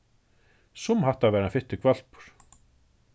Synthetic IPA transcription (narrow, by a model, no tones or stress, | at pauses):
sumhaht̪avɛːɾanfɪht̪ɪkʰvɛl̥pʏ̥ɾ̥